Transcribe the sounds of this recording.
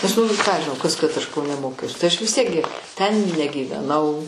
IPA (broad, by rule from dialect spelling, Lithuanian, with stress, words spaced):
nʲɛs ˈnʊ kɑː ɐʃ ʒʲɪˈnɐʊ ˈkɐs kɐt ˈɐʃ kɐʊˈnʲɛ ˈmoːkʲɛʊs tɐɪ ˈɐʃ ʋʲɪs ˈtʲiɛk ɡʲɪ tʲɛn nʲɛɡʲiːʋʲɛˈnɐʊ